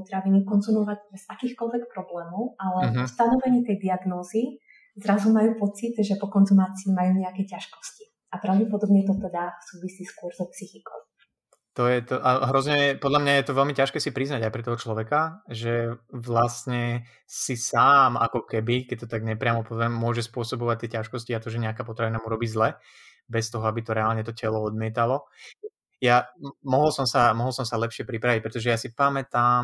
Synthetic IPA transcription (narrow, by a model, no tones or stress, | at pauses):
pɔut̪ɾaʋiɲikɔnzumɔʋaɟbɛz̥akiːxkɔlʋɛkpɾɔblɛːmɔʊalɛɦst̪anɔʋɛɲiːt̪ɛjd̪iaɡnɔːzi | zɾazumajuːpɔt͡sit̪ʒɛpɔkɔnzumaːt͡siːmajuːɲɛakɛcaʃkɔ̥sci̥ | apɾaʊɟɛpɔd̪ɔbɲɛt̪ɔt̪ɛd̪asuːʋisiːskʊɔɾzɔpsixikɔ̰ʊ | t̪ɔjɛt̪ɔʔaɦɾɔzɲɛɛpɔd̪lamɲajɛt̪ɔʋɛlmicaʃkɛːsipɾiznaɟajpɾɛt̪ɔɦɔt͡ʃlɔʋɛkaʒɛʋlast̪ɲɛ | sisaːma̰kɔkɛbikɛc̚t̪ɔt̪aɡɲɛpɾɪamɔpɔzɛmːʊɔʒɛspʊɔsɔbɔʋac̚t̪ɪɛcaʃkɔsciat̪ɔʒɛɲɛakaːpɔt̪ɾaʋinamuɾɔbiːzlɛ | bɛst̪ɔɦɔabit̪ɔɾɛaːlɲɛt̪ɔcɛlɔɔd̪mɪɛt̪alɔ | jamɔɦɔlsɔmsamɔɦɔl̩ˠsɔmsalɛpʃɪɛpɾipɾaʋic̚pɾɛt̪ɔʒɛjasipamɛt̪am